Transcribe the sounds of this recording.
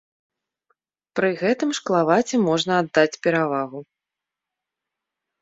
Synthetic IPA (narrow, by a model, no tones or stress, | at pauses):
pɾɨɣɛt̪ɨmʂklˠavat͡sʲɛmɔʐnɐad̪ːat͡sʲpʲɛɾavaɣu